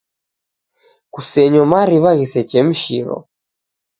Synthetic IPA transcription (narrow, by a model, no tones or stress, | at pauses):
kusɛɲɔmaɾiβaɣisɛt͡ʃɛm̩ʃḭɾɔ̰